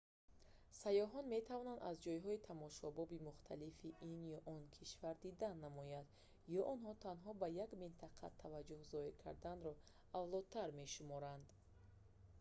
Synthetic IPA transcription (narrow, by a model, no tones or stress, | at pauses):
sajɔɦɔnme̞t̪ʰavɔnand̪a̰zd͡ʒɔjɦɔit̪ʰamɔʃɔbɔbimuχt̪ʰalifiʔinjɔʔɔnkʰiʃvaɾd̪id̪anːamɔjand̪ | jɔʔɔnɦɔt̪ʰanɦɔbajaɡmint̪ʰaqʰa̰t̪ʰavad͡ʒuhzɔiɾkʰa̰ɾd̪anɾɔ | avlˠɔd̪̚t̪ʰaɾme̞ʃumɔɾand̪